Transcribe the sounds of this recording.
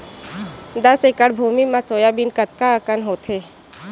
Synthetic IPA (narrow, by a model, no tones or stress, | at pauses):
d̪əsekəɽbʱuːmimasoːjabinkət̪̚kaəkənɦoːt̪ʰe